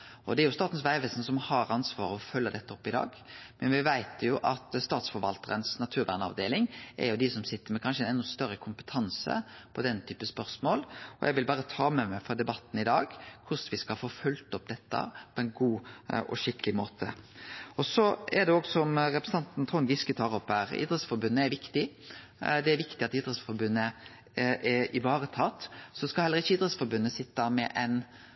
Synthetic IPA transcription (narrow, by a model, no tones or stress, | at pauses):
ɔd̪ɛɾjʊst̪ɑːt̪n̩sʋæɪʋɛsnsɔmhɑɾɑnsʋɑːɾəɔfœlːəd̪ɛt̪ːəɔpːɪd̪ɑ̰ːɡ | mɛnʋɪʋæɪt̪jʊʔɑt̪st̪ɑːt̪sfɔɾʋɑ̰lt̪əɾənsnɑt̪ʰʉːɾʋæ̰ʁnəɑ̰ʋd̪eːlɪŋʔæ̰ɾjʊd̪ɪsɔmsɪt̪ːəmɛkʰɑnʂəɛnɛnːʊst̪œɾːəkʰʊmpə̥t̪ʰɑnsə̰pʰɔd̪ɛnːt̪ʰyːpəspœʁsmoːlɔ̰jæɪʋɪlbɑːɾət̪ʰɑːmɛmæɪfɔd̪ɛbɑt̪ːn̩ɪd̪ɑːɡkʰʊsʋɪskɑhɑfoːfʉlt̪ɔpːd̪ɛt̪ːɑ̰pʰɔɛnɡuːɔ̰ʃɪkəlɪmoːt̪ʰə̰ɔsɔɛd̪ɛɔɡsɔmɾɛpɾəsn̩ɑnt̪n̩t̪ʰʁʊnɡ̪ɪskət̪ʰɑːɾɔpːhæːɾḭːd̪ɾət̪sfɔɾbʉnːəæɾʋɪkt̪ɪ | d̪ɛæɾʋɪkt̪ɪɑt̪iːd̪ɾət̪sfɔɾbʉnːə | ʔɛɪʋɑːɾət̪ʰɑt̪ːsɔɔskɑlhɛlːəʁɪçːəiːd̪ɾət̪sfɔɾbʉnːəsɪt̪ːɑmɛʔɛɪn